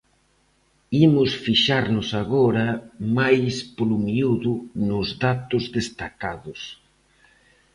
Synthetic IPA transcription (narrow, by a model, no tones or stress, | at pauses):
imʊsfiʃaɾnʊsaɣɔɾɐmajspolumiuðʊnʊzðat̪ʊzðest̪akaðʊs